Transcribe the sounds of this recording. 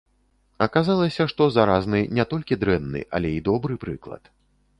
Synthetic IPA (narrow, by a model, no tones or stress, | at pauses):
ɐkazalˠɐsʲɐʂt̪ɔzaɾaznɨnʲɛt̪ɔlʲkʲid̪ɾɛnːɨ̰ʔɐ̰lʲɛid̪ɔbɾɨpɾɨklˠɐ̰t̪